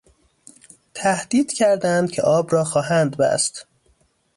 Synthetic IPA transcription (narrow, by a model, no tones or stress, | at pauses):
t̪ʰæhd̪̥iːd̪̥cʰæɾd̪ænd̪̥̚cʰḛʔɒːbɾɒːxɒːɦænd̪bæ̰st̪